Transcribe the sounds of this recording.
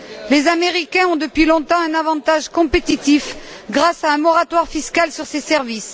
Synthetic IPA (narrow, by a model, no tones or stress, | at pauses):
lezameʁikʲɛ̃ɔ̃d̪əpɥilɔ̃t̪ɑ̃ɛ̃navɑ̃t̪aʒkɔ̃pet̪it̪ifɡʁasaɛ̃mɔʁat̪waʁfiskalsyʁsesɛʁvis